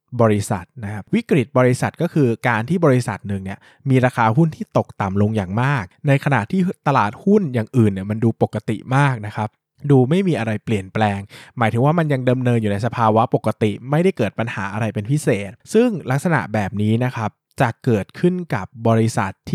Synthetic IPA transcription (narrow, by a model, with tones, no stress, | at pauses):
bɔː˧ɾi˦˥sa̰˨˩t̪̚na˦˥kʰa˦˥p̚wi˦˥kɾi˨˩t̪̚bɔː˧ɾi˧˦sa˨˩t̪̚kɔ˥˩kʰɯː˧kaː˧nt̪ʰiː˥˩bɔː˧ɾi˦˥sa˨˩t̪̚nɯ˨˩ŋni˥˩ɐ | miː˧ɾaː˧kʰaː˧ɦu˥˩nt̪ʰiː˥˩t̪o˨˩k̚t̪a˨˩mlo˧ŋjaː˨˩ŋmaː˥˩k̚na˧jkʰa˧na̰˨˩ʔt̪ʰiː˥˩t̪a˧laː˨˩t̪̚hu˥˩njaː˨˩ŋʔɯː˨˩nːi˥˩ma˧nduː˧po˨˩kːa˧t̪ḭ˨˩maː˥˩k̚na˦˥kʰa˦˥p̚ | duː˧ma˥˩jmiː˧ʔa˧ɾa˧jpli˨˩ənplɛː˧ŋmaː˩˦jt̪ʰɯ˩˦waː˥˩ma˧nja˧ŋda˧mnɤː˧njuː˨˩na˧jsa˧pʰaː˧wa˦˥po˨˩kːa˧t̪i˨˩ʔma˥˩jda˥˩jkɤː˨˩t̪̚pa˧nhaː˩˦ʔa˧ɾa˧jpe˧npʰi˦˥seː˨˩t̪̚sɯ˥˩ŋla˦˥k̚sa˧na̰˨˩ʔbɛː˨˩p̚niː˦˥na˦˥kʰa˦˥p̚t͡ɕa˨˩ʔkɤː˨˩t̪̚kʰɯ˥˩nka˨˩p̚bɔː˧ɾi˦˧sa˨˩t̪ʰː